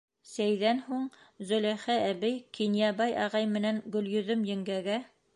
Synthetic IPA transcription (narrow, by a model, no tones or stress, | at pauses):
sæjðænhuɴzɵ̆læχææβɘjkinjɑbɑjʔɑʁɑjmɘ̆nænɡɵ̆ljɵ̆ðɵmjɘ̆ŋɡæɡæ